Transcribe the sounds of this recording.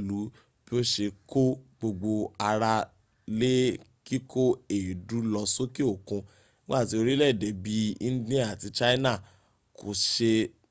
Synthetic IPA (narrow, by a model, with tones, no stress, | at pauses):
lu˨˦ | b̥i˦o˦ʃe˧ko˦ɡ͡bo˧ɡ͡bo˧a˧ɾa˧ | le˦ | ki˦kʰo˦e˨du˨˦lɔ˧so˦ki˦o˦˨kũ˧˦ | ɡ͡ba˦˨ti˧˦o˧ɾi˦lɛ˦˨de˨˦bi˦ĩ˦di˦a˦˨a˨ti˧t͡ʃa˦i˦na˦˨ | kʰo˨ʃe˧